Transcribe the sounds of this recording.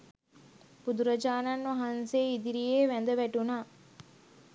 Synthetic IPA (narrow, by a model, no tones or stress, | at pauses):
b̥ud̪uɾɐd͡ʒaːnanːɐɦanseːid̪iɾijeːʋænd̪əʋæʈunaː